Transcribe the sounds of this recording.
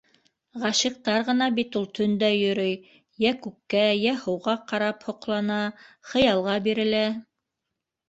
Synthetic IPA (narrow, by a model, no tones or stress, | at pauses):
ʁɑʃiq̚t̪ɑɾʁɤ̆nɑbit̪ulˠt̪ʰɵ̆nd̪æjɵ̆ɾɵj | jækʉkːæjæhŏwʁɑqɑɾɑphŏqlˠɑnɑχɤ̆jɑlˠʁɑbiɾɘ̆læ